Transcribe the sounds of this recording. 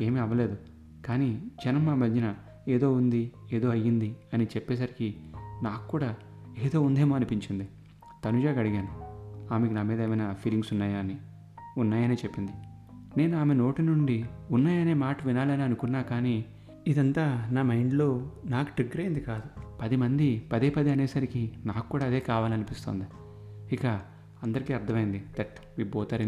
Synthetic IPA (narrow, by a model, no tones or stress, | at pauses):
e̞ːmiɐʋːɐle̞ːd̪u | kaːniːd͡ʒɐnɐmːaːmɐɲd͡ʒinɐ | eːd̪o̞ːund̪ieːd̪o̞ːɐjːind̪iɐnit͡ʃɛpːɛːs̬ɐɾikinaːkkːuːɽaː | eːd̪o̞ːund̪e̞ːmoːɐnipiɲt͡ʃind̪i | t̪ɐnud͡ʒaːɡɐɽiɡaːnuaːmekinaːmiːd̪ɐeːmɐjnɐpʰiːliŋɡsunːaːjaːni | unːaːjɐneːt͡ʃepːind̪i | neːnuaːme̞no̞ːʈinuɳɖiunːaːjɐne̞ːmaːʈɐʋinaːlɐniɐnukunːaːkaːni | id̪ɐnt̪aːnaːmɐjɳɖlo̞ːnaːkuʈeɡːɐɾɐjind̪ikaːd̪upɐd̪imɐnd̪ipɐd̪eːpɐd̪iɐneːsɐɾikinaːku̥kːuːɽaːd̪e̞ːkaːʋaːlɐnipist̪oːnd̪i | ikɐ | ɐnd̪ɐɾikiːɐɾd̪ʰʱɐmɐjind̪it̪eʈʋiːbɔːt̪aːɾɐ